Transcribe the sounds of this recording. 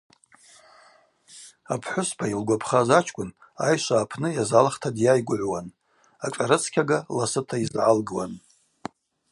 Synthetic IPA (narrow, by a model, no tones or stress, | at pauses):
apʰħʷʊspʰailɡʷapʰχazat͡ʃʰkʷʼʊn | a̰jʃʷaːpʰnɨjazalχtʰadjajɡʷʊʕʷwan | aʈ͡ʂʼaɾɨt͡sʰkʲʰaɡalasɨtʰaizʕalɡɨwan